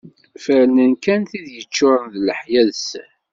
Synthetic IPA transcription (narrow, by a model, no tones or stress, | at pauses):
fəɾlənkænθiðjət͡ʃːʊɾˤənðləħjæðs